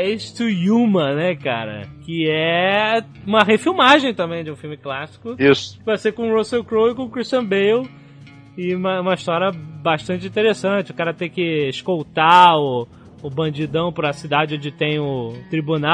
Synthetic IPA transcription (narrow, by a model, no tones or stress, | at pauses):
est̪ujumɐ̃nɛkaɾɐ̰kɪɛ | ũmɐɦefiwmaʒẽj̃t̪ɐ̃mbẽj̃d͡ʒɪũfiwmɪklasi̥kʊisʊ̥vajsekõɾosewkɾowɪkõkɾiʃt͡ʃɐ̃bejw | ɪũmɐũmɐiʃt̪ɔɾiɐbaʃt̪ɐ̃nt͡ʃɪĩt̪eɾesɐ̃t͡ʃɪʊkaɾɐt̪ẽj̃kɪɪʃkowt̪aʊː | bɐ̃d͡ʒid̪ɐ̃w̃pɾɐsid̪ad͡ʒɪõd͡ʒɪt̪ẽj̃ʊt̪ɾibuna